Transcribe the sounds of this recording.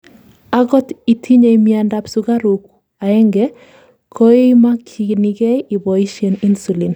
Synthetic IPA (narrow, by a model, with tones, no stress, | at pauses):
a˦ɡɔ˦ti˨tʰi˦ɲe˨imia˨nda˨psuɡa˦ɾu˨k | a˨ɛ˦ŋɡɛ | kʰo˦e˦ma˦kʰi˨ɡni˨ɡe˦i˨bɔ˨i˦ʃe˨ni˦nsu˨li˨n